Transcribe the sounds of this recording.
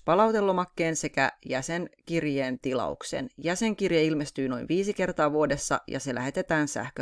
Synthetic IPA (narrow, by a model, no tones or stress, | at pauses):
pɑlɑwt̪e̞lːomɑkːe̞ːnse̞kæ̰jæseŋkirjeːnt̪ilɑ̰ṵksḛnjæse̞ŋkirjeilmest̪yːno̞̰jnʋiːsike̞rt̪ɑːʋuode̞sːɑ̰jɑ̰se̞lʔæ̰ɦe̞t̪e̞t̪æːnsæ̰hkø